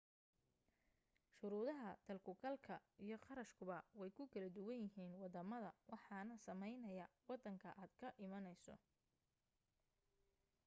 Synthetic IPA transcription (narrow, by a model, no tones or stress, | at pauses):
ʃʊɾuːðɐɦɐt̪ʰɐlkʰʊkʰɐlkʰɐijɞqɑɾɐʃkʰʊβɐwɛjkʰʊkʰɐlɐd̪ʊwɐnjɪɦiːnwɑd̪ɐmɐðɐwɑħɑːnɐsɐmɛjnɐjɐwɑd̪ːɐŋkʰɐʔaːd̪kʰɐʔɪmɐnɛjsɔ̰